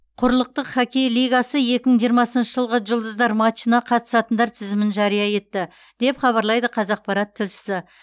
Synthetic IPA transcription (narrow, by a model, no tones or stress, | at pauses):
qʰʊɾlˠəq̚t̪əqχɑkʲe̞jlijɡɑsəje̞kʲɪməŋʒijəɾmɑsənʃəʒəlˠʁəʒʊlˠd̪əzd̪ɑɾmɑt͡ʃinɑqʰɑt̪ə̥sɑt̪ənd̪ɑɾt̪ʰɪzɪmɪnʒɑɾijɑje̞t̪ːɪ | d̪̥e̞pχɑβɑɾlˠɑjd̪əqʰɑzɑq̚pɑɾɑt̪ʰːɪlʃɪ̥sɪ